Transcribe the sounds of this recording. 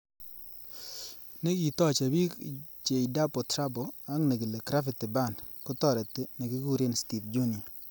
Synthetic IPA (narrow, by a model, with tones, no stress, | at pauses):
ne˦ki˨tɔ˦t͡ʃa˨bi˦t͡ʃe˨i˨da˦pɔ˨tɾa˦bɔ˨a˦ŋne˨ɡi˨le˨kɾa˦fɪ˨ti˨ba˦˨ndkɔ˦tɔ˦˨ɾɛ˨tna˨kɪ˦ɡu˦ɾe˦nsti˨fd͡ʒu˦ni˨